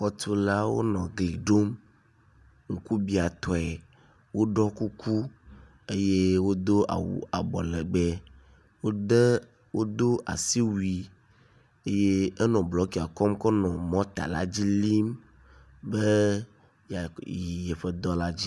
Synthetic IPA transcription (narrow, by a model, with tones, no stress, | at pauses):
xɔ˦t̪u˦la˦wo̰˦nɔ̃˨ɡli˨ɖo˦m | ŋ̩˨ku˦bi˦a˨t̪ɔ˨ɛ˨ | wo˦ɖɔ˦ku˦ku˦ | e˦je˦wo˦d̪o˦ʔa̰˨wṵ˨a˨bɔ˨lɛ˨ɡ͡bɛ˦ | wo˦de˦ | wo˦d̪o˦ʔa̰˨si˦wu˨˦i˨ | e˦je˦e˦nɔ̃˨blɔ˨˦ki˨a˨kɔ˦mkɔ˦nɔ̃˨mɔ̃˦t̪a̰˨la̰˦d͡ʑi˦li˦m | be˦ | ja˨ji˨jɛ˨ɸe˦d̪ɔ˦la˦d͡ʑi˦